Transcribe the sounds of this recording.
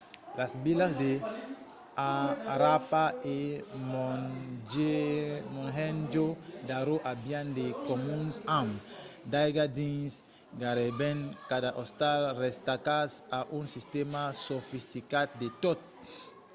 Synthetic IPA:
lasbilasd̪e | aɾapaemond͡ʒemõŋɦẽnd͡ʒod̪aɾoʔabjãnd̪ekomũnsãmd̪ajɡad̪ĩŋs | ɡaɾebẽŋkad̪aʔost̪alrest̪akasaʔũŋsist̪emasofist̪ikat̪̚d̪et̪ot̪̚

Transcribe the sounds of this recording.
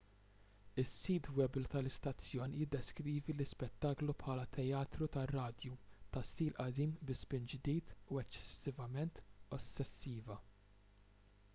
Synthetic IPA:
ɪsːiːt̪wɛblt̪ɐlɪst̪ɐt͡sːjɔːnjɪd̪ːɛskɾiːvilɪspɛt̪ːɐːklupħɐːlɐt̪ʰɛjɐːt̪ɾut̪ɐrːɐːd̪jut̪ɐst̪iːlʔɐd̪iːmbɪspɪnd͡ʒd̪iːt̪uɛt͡ʃːɛ̥sːɪvɐmɛnt̪ɔsːɛsːiːvɐ

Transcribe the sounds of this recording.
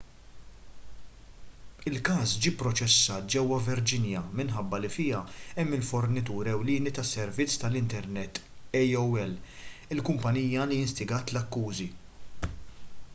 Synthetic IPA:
ɪlkɐːsd͡ʒiːpːɾɔt͡ʃɛsːɐːt̪̚d͡ʒɛwːɐvɪɾd͡ʒɪnjɐmɪnħɐbːɐlifɪːjɐɛmːɪlfɔɾnɪt̪uːɾɛwlɪːnit̪ɐsɛɾvɪt͡sːt̪ɐlɪnt̪ɛɾnɛt̪ːɛjɔwɛlɪlkʊmpɐniːjɐlijɪnst̪ɪɡɐːt̪lɐkːuːzi

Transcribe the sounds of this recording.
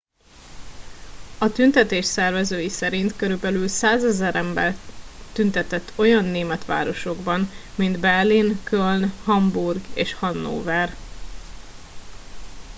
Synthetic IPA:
ɒt̪ynt̪ɛt̪eːʃsɛrvɛzøːjisɛɾint̪køɾybɛlylsaːzɛzɛɾʔɛmbɛ̰lt̪ynt̪ɛt̪ɛt̪ʰːo̞jɒnːeːmɛt̪ʋa̰ːɾo̞ʃo̞ɡbɒnmind̪bɛrlinkʰølnhɒmburɡeːʃhɒnːo̰ːvɛr

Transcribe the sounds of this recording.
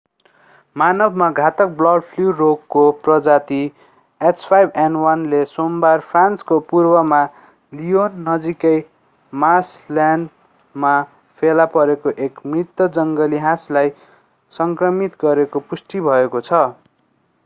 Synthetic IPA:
manʌbʱmaɡʱat̪ʌk̚blʌɖpʰluroɡːoprʌd͡zat̪i | espʰajbʱenwʌnlesombarpʰranskopurbʌma | lijonːʌd͡zikʌj | maslan | ma | pʰelapʌɾekoʔekmrit̪ːʌd͡zʌŋɡʌliɦãslaj | sʌŋkrʌmit̪ɡʌɾekopusʈibʱʌekot͡sʰʌ

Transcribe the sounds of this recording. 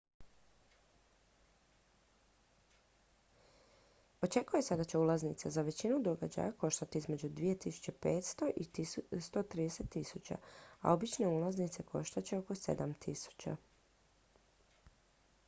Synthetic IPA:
o̞t͡ʃe̞kujesed̪at͡ɕe̞ulˠaznit̪sezaʋe̞t͡ɕinud̪o̞ɡad͡ʑa̰jako̞ʃt̪at̪iizme̞d͡ʑud̪ʋije̞t̪isu̥t͡ɕe̞peːt̪st̪o̞ʔist̪o̞t̪ɾiːd̪ese̞t̪ːisut͡ɕa̰a̰o̞bit͡ʃne̞ulaznit̪se̞kʰo̞ʃt̪at͡ɕe̞o̞ko̞se̞̰d̪amt̪ʰisu̥t͡ɕa̰

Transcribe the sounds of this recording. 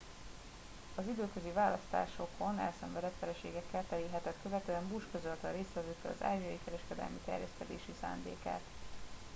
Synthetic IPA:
ɒzid̪øːkø̞zivaːlɒst̪a̰ːʃo̞ko̞nɛ̰lsɛɱvɛd̪ɛt̪fɛɾɛʃeːɡɛkːɛlt̪ɛliɦɛt̪ɛt̪køvɛt̪øːɛmbuʃkøzølt̪ɒɾeːst̪ʋɛzøːk̪ːɛlɒ̰za̰ːʒiɒjikɛɾɛʃkɛd̪ɛ̰lmit̪ɛ̰rjɛst̪ɛd̪ḛːʃisa̰ːnd̪ḛːka̰ːt̪

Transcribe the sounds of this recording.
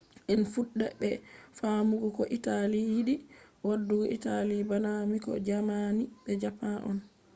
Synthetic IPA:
ʔɛnfuɗːɛbɛfamuɡɔkɔʔitalijiɗiwadːuɡɔʔitalibanamikɔ̰d͡ʒamanibɛd͡ʒapanʔɔ̰n

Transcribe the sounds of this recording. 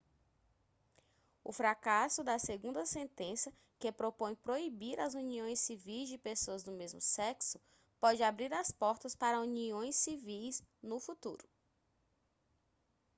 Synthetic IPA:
ʊ̰fɾakasʊd̪ɐseɡũnd̪ɐsẽnt̪ẽsɐ | kɪpɾopõj̃pɾoibiɾɐzuniõj̃sivijzd͡ʒɪpesoɐzd̪ʊmezmʊsɛksʊ | pɔd͡ʒɪabɾiɾɐspɔɾt̪ɐspaɾɐuniõj̃sivijznʊfut̪ṵɾʊ

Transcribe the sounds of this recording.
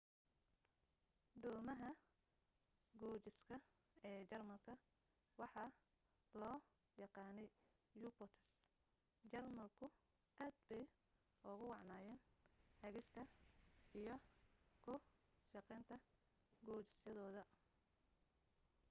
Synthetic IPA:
ɖ̪ɔːmɐɦɐ | ɡɔːt͡ʃɪskʰɐ | ɛːt͡ʃɐrmɐlkʰɐ | wɑħɑ | lɔː | jɑqɑːnɛj | jubɔt̪ʰɐs | t͡ʃɐrmɐlkʰʊ | ʔaːd̪bɛj | ʔʊɣʊwɑʕnaːjɛːnhɐɣɪst̪ʰɐijɞkʰʊʃɑqɛːnt̪ʰɐ | ɡɔːt͡ʃɪsjɐðɔːðɐ

